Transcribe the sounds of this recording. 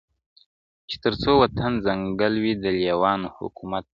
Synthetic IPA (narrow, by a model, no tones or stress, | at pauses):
t͡ʃe̥t̪əɾt͡sowat̪anzaŋɡəlwid̪əljawɑnohʊ̰kumat̪̚